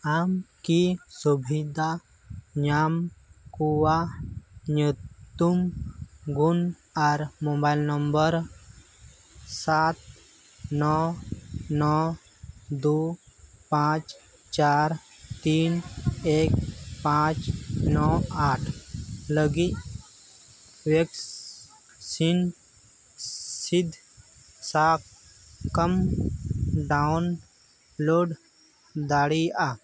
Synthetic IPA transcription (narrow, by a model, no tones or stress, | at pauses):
amkisubʱid̪ʱa | ɲamkuwa | ɲut̪ːum | ɡun | aɾmobajlnəmbəɾ | sat̪ | nɔ | nɔ | d̪upãt͡ʃ | t͡ʃaɾ | t̪iːneːkpãːt͡ʃnɔːaːʈʰləɡi | ʋek | sin | sid̪ʱ | saːk̚ | kəm | ɖaun | loːɖ | d̪aːɽiaː